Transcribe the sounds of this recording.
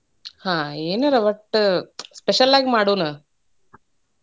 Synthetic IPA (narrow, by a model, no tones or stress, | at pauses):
hãːeːnɐɾɐʋɐʈːspeʃɐlaːɡimaːɽuːnu